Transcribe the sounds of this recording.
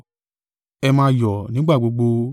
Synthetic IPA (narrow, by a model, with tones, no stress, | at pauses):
ɛ˧mãː˦jɔ˨nĩ˨˦ɡ͡ba˦˨ɡ͡bo˨˧˦ɡ͡bo˧